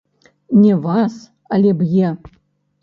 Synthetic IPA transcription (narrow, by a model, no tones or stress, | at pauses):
nʲɛvas | alʲɛbjɛ